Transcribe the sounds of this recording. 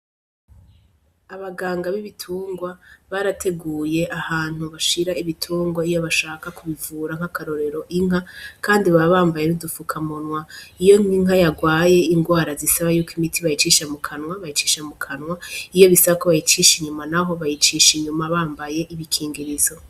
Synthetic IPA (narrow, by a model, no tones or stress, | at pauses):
aβaɡaːŋɡaβiβitʰuːŋɡwaβaɾatʰe̞ɡuːje̞ʔahaːn̥huβaʃiɾaiβitʰuːŋɡwaijoβaʃaːkakuβivuːɾaŋ̥akaɾo̞ɾe̞ɾo̞ʔiŋ̥ɦakʰaːndiβaβaβaːmbaje̞nudufukʰamunwaijo̞ŋiŋɦajaɡwaːje̞iŋɡwaːɾazisaβajuːkimitʰiβajit͡ʃiʃamukʰanŋwaβajit͡ʃi̥ʃamukʰanwaijo̞βisaβakoβajit͡ʃiʃiɲumanaɦo̞βajit͡ʃiːʃiɲumaβaːmbaje̞ʔiβikʰiːŋɡiɾizo̞